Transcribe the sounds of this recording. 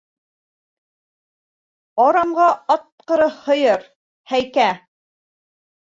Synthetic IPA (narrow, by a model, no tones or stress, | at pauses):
ɒɾɑmʁɑʔɑt̪̚qɤ̆ɾɤhŏjɤɾ | hæjkæ